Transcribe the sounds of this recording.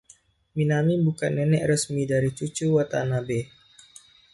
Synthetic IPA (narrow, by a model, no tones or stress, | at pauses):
minamibukanːɛnɛʔrəsmidaɾit͡ʃut͡ʃuwat̪anabe